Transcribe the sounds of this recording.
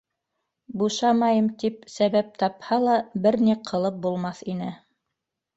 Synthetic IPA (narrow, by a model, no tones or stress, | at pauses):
buʃɑmɑjɤmt̪ip̚sæβæp̚t̪ɑphɑlˠɑbɘɾniqʰɤ̆lˠɤp̚bulˠmɑθin̪ɘ